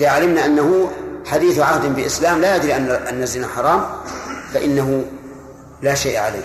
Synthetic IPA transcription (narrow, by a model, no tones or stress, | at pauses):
ʔðaʕalɪmnaʔanːaɦʊħad̪iːθʕahd̪ɪnbɪʔɪslaːmlaːjad̪ɾiʔaʔanːazɪnaħɑɾˤɑːmfaʔɪnːaɦʊ | laːʃejʔʕalḛː